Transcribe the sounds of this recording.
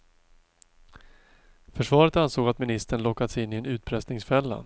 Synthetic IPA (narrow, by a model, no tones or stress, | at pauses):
fœʂvɑːɾət̪ansoːɡat̪mɪnɪst̪əɳlɔkːad̪əsɪnːɪɛnʉ̟ːt̪̚pʰɾɛst̪nɪŋsfɛlːa̰